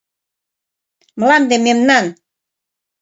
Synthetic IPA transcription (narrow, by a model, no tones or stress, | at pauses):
məlɑmd̪ememnɑn